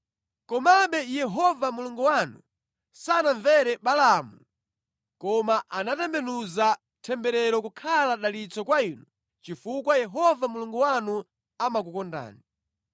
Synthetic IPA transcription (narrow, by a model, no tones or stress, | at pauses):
kɔmaɓɛjɛɦɔvamuluŋɡuwanṵ | sanaɱvɛɾɛɓalamu | kɔmaʔanatɛmbɛnuza | tʰɛmbɛɾɛɾɔkukʰalaɗalit͡sɔkwainu | t͡ʃifukwajɛɦɔvamuluŋɡuwanu | amak̬ukɔnda̰ːni